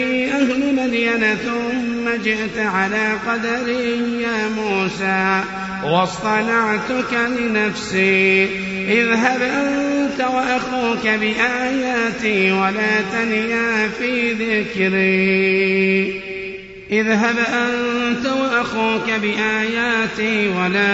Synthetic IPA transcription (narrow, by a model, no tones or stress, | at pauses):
ʔahlʊmad̪janaθʊmːad͡ʒɪʔt̪ʕalaːqɑd̪aɾijaːmuːsaː | wɑsˤt̪ˤɑnɑʕt̪ʊkalɪnafsiː | ʔɪðɦabʔant̪awaʔaxuːkabɪʔaːjaːt̪iːwalaːt̪anjaːfiːðɪkɾiː | ʔɪðɦabʔannt̪awaʔaxuːkabɪʔaːjaːt̪iːwalaː